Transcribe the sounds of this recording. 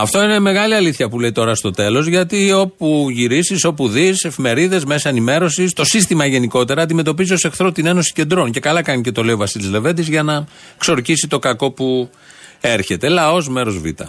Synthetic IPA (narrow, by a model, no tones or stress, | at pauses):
ɐft̪o̞ine̞me̞ɣɐliɐliθçɐpule̞it̪o̞ɾɐst̪o̞t̪e̞lo̞zʝɐt̪io̞puʝiɾisiso̞puðise̞fime̞ɾiðe̞zme̞sɐenime̞ɾo̞sist̪o̞sist̪imɐʝe̞niko̞t̪e̞ɾɐːnd̪ime̞t̪o̞piziose̞xθɾot̪ine̞no̞si̥ce̞nd̪ɾo̞nce̞kɐlɐkɐnice̞t̪o̞le̞iovɐsilizle̞ve̞nd̪izʝɐnɐ | kso̞ɾcisit̪o̞kɐko̞pu | e̞ɾçe̞t̪e̞lɐo̞zme̞ɾo̞zvḭt̪ɐ̰